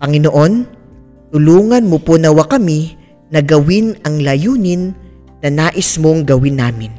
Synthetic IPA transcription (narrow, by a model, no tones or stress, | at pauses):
pɐŋɪnoʔo̞n | t̪ʊluːŋɐnmoponɐwɐkɐmi | nɐɡɐwɪnɐŋlɐjuːnɪnː | ɐnaːʔɪsmoŋɡɐwɪnːaːmɪn